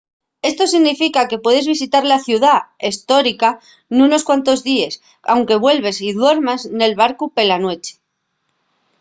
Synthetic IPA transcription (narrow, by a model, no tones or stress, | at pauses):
e̞st̪o̞siɣnifikake̞pwe̞ð̞e̞zβisit̪aɾlaθjuðaest̪o̞ɾika | nũno̞skwant̪o̞zðie̞s | awŋke̞βwe̞lβe̞siðwe̞ɾmazne̞lβaɾkupe̞lanwe̞t͡ʃe̥